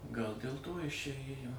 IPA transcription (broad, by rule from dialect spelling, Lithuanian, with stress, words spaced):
ˈɡɐlˠ dʲeːlˠ ˈtoː ˈjɪs t͡ʃʲɛ ˈeːjoː